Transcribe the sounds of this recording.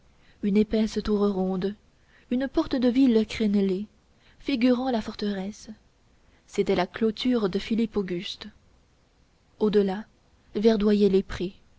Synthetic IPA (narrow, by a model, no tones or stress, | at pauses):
ynepɛst̪uʁʁɔ̃d̪ | ynpɔʁt̪əd̪əvilkχɛnle | fiɡʲyʁɑ̃lafɔʁt̪əʁɛs | set̪ɛlaklot̪ʰyʁd̪əfilipoɡʲyst̪ | od̪əla | vɛʁd̪wajɛlepχe